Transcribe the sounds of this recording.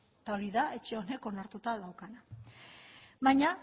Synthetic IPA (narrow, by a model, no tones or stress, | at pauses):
t̪ao̞ɾiðae̞t͡ʃe̞o̞ne̞ko̞naɾt̪ut̪aðawkana | βaɲa